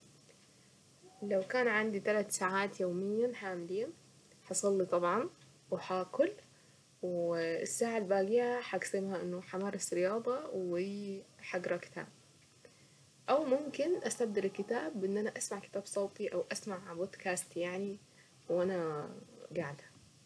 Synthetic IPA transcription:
lawkaːnʕand̪it̪alat̪saːʕaːt̪joːmɪjːaħaːmɪliːn | ħɑsˤɑlːit̪ˤɑbʕɑn | wħakʊl | wɪsːaːʕalbaːɡɪjaħaɡsɪmhaʔɪnːʊħamɑːɾˤɑsɾɪjɑːd̪ˤɑwiħaɡɾˤɑkɪ̥t̪ʰa̰ːb̚ | ʔawmʊmkɪnʔast̪ab̚d̪ɪɾɪlkɪt̪aːbʔɪnːʔanaʔasmaʕkɪ̥t̪aːbsˤɑwt̪ˤiʔawʔasmaʕaboːd̪kaːst̪jaʕni | wʔana | ɡaʕad̪hḁ

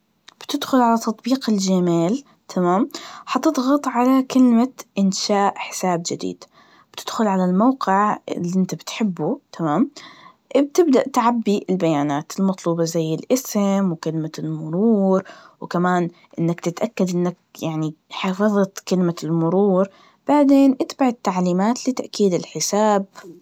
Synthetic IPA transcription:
b̥t̪ɪd̪xʊlʕalat̪ːɑt̪ˤbiːqɪld͡ʒamaːl | t̪ʰamaːmħɑt̪ɨd̪ˤɣɑt̪ˤʕalakɪlmaʔɪnʃaːʔħɪ̥saːbd͡ʒɪd̪ḭːd̪̥ | b̥t̪ʰɪd̪̥xʊlʕalalmawqɪʕɪ̰liʔɪnt̪abɪt̪ħɪbːut̪ʰamaːm | b̚t̪ɪbd̪aʔt̪ʕabːiɪlbajaːnaːt̪ɪlmɑt̪ˤluːbɑzajːɪlʔɪsɪmwkɪlmalmʊɾuːɾwkamaːn | ʔɪnːakt̪ɪt̪ʔakːad̪ʔɪnːak̚jaʕniħɑːfɑðˤɑt̪kɪlmalmʊɾuːɾ | b̥aʕd̪eːnʔat̪baʕɪt̪ːaʕliːmaːt̪lɪt̪aʔkiːd̪ɪlħɪsaːb̚

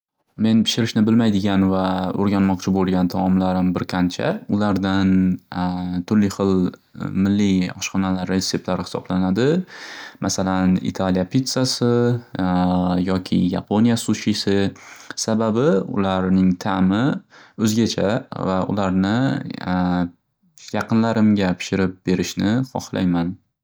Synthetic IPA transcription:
me̞npʰɪ̥ʃɪɾɪʃnɪbɪlmajd̪ɪɡʲanvao̰ɾɡʲanmɒqt͡ʃʰɪbolˠɡʲant̪ʰamɒmlaɾɪmbɪɾqʰant͡ʃʰa̰ʊlaɾd̪an | t̪ʰʊɾlɪjχɨlmɪlːɪjɒʃχɒnalaɾesːe̞p̚t̪laɾɪhɪ̥sɒ̰blanad̪ɪmʔasalanɪ̰t̪ʰaljapʰit̪sasɪ | jɒkʲʰɪ̰ja̰pʰo̞nijasuʃisɪsababɪʊ̰laɾnɪŋt̪ʰamɪɵzɡʲat͡ʃʰa̰vaʔʊ̰laɾnɪ | jɑqʰɨnlaɾɪmɡʲapʰɪ̥ʃɪɾɪp̚b̥e̞ɾɪʃnɪχɒ̰χlˠʔa̰jman

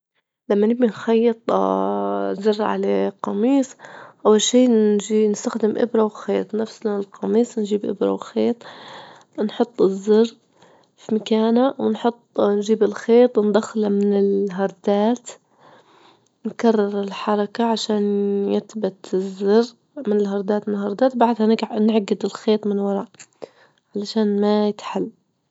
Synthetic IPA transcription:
lamːanɪbinxɑjːɨt̪ˤ | zɪrːʕa̰laqɑmiːsˤʔawːalʃiːʒiːnɪst̪axd̪ɪmʔɪ̰bɾˤɑwxeːt̪ˤnafsnalqɑmiːsˤnʒiːbʔɪbɾˤɑ̰wɪxeːt̪ˤ | nħʊt̪ˤːɪzːɪrː | fimakaːnawɪnħʊt̪ˤːnʒiːbɪlxeːt̪ˤwɪnd̪axlamɪnɪlɦɑɾˤd̪aːt̪ | nkɑrˤːɪɾˤɪlħɑɾˤɑkaʕaʃaːnjɪt̪bat̪ɪzːɑrː | mɪnɪlɦɑɾˤd̪aːt̪mɪnhɑɾˤd̪aːt̪baʕd̪hanɪɡnɪʕɡɪd̪ɪlxeːt̪ˤmɪnwɑɾˤɑʔ | ʕalaʃaːnmajɪt̪ħalː

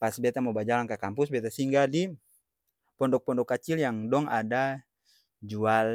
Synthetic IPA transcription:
pasbɛt̪amɔbad͡ʒalaŋkakampusbɛt̪asiŋɡadi | pɔndɔk̚pɔndɔkːat͡ʃiljaŋdɔŋʔada | d͡ʒual

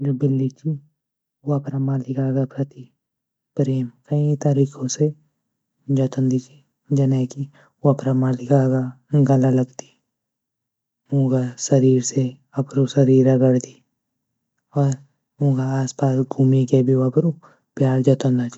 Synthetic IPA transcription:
d͡ʒobɪlːit͡ʃʰi | woɐpɾamaːlɪkaːɡapɾɐt̪i | pɾeːmkɐĩt̪aɾiːkʰõse | d͡ʒɔt̪ənd̪it͡ʃi̥ | d͡ʒɐneːki | oɐpɾamaːlɪkaɡa | ɡɐlalɐɡt̪i̥ | ũːɡasɐɾiːɾse | ɐpɾosɐɾiːɾɐɡəɾd̪i | ɔːɾ | ũːɡaaːspaːsɡʱuːmikebʱioɐpɾo | pjaːɾd͡ʒɔt̪ənd̪at͡ʃi̥

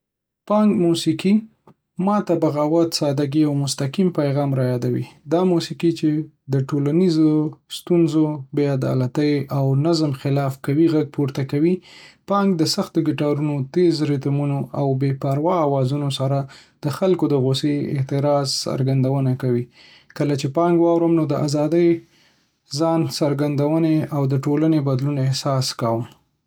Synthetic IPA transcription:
pɑŋɡmusiki | mɑt̪abaɣawat̪sɑd̪aɡiawmʊst̪aqimpajɣɑmɾɑjɑd̪awḭd̪ɑmusikit͡ʃe | d̪əʈolanizost̪unzobead̪ɑ̰lat̪əjawnazmxɪlɑfkawiɣaɡ̚puɾt̪akawipɑŋɡd̪əsaxt̪oɡɪʈɑɾunot̪ezɾɪt̪munoʔawbepaɾwɑːwɑzunosaɾad̪̥əxalkod̪əɣoseɪ̰ht̪ɪɾɑzsa̰ɾɡand̪awənakawi | kəlat͡ʃepɑŋɡwɑwɾəmnod̪əʔazɑd̪əj | zɑnsaɾɡand̪awəneawd̪əʈolanebad̪lunɪhsɑskawəm

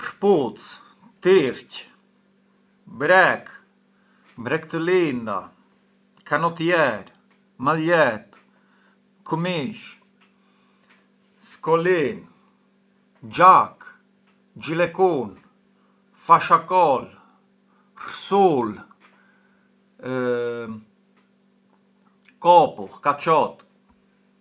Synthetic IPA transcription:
pəɾput͡s | t̪iɾc | bɾɛk | bɾɛkt̪əlind̪a̰ | kanɔt̪jɛɾ | maɛt̪ | kəmiʃ | skɔlin | d͡ʒak | d͡ʒilɛkun | faʃakɔl | rsul | kɔpuχkat͡ʃɔt̪

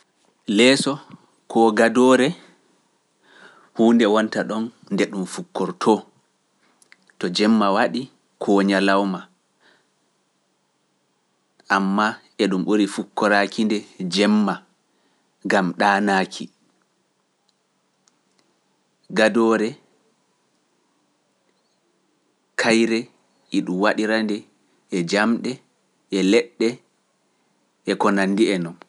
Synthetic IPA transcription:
lɛsɔ | kʰɔɡadɔɾɛ | huːndɛwɔntaɗɔnːdɛɗumfukːɔɾtʰɔ | tɔd͡ʒɛmːawaɗi | kʰɔːɲalawma | ʔamːa | ɛɗumɓoɾifukːɔɾakʰindɛd͡ʒɛmːa | ɡamɗaːnaːkʰi | ɡadɔɾɛ | kʰajɾɛ | iɗumwaɗiɾandɛː | d͡ʒamɗɛ | ɛlɛɗːɛ | ʔɛkɔnandiɛnɔm

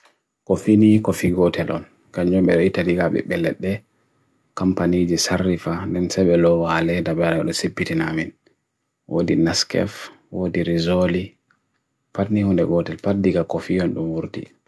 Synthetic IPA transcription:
kɔfinikɔfiːɡɔtʰɛlʔɔ̰n | kaɲɔmɓɛɗɔitːadiɡaɓɛ̰ɓɛlɛ̰ɗːɛ | kampanid͡ʒisarːifandɛnsɛɓɛlɔwalɛdabɛɾaɛɗɔsepːitinamin | wʔo̰dinaskɛ̰f | wodiɾizoli | patnihɔndɛɡɔtɛlpadːiɡakɔfiɔnɗumwuɾtḭ

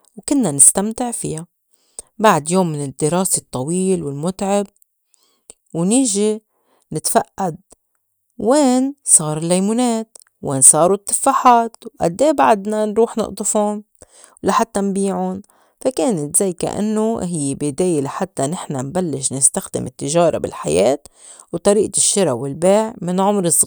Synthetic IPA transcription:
wkʊnːanɪst̪amt̪ɪʕfija | baʕd̪joːmːɪnɪd̪ːɪɾˤɑːset̪ˤːɑwiːlwɪlmʊt̪ʕɪb̚ | wniːʒi | nɪt̪faʔːad̪̚ː | eːnsˤɑːɾˤɪlːajmuːneːt̪ | wʔeːnsˤɑːɾut̪ˤːɑ̥fːaħaːt̪wʔa̰d̪ːeːbaʕd̪nanɾuːħnʊ̰ʔt̪ˤɨfʊn | wlaħat̪ːanbiːʕʊn | fakeːnɪt̪zajka̰ʔa̰nːoɦɪjːbɪd̪eːjelaħat̪ːanɪħnambalːɪʃnɪst̪axd̪ɪ̰mɪt̪ːɪʒɑːɾˤɑ̰bɪ̰lħajeːt̪ | wt̪ˤɑɾiːʔaʃːɪɾawɪlbeːʕmɪnʕʊmɾɨsˤ

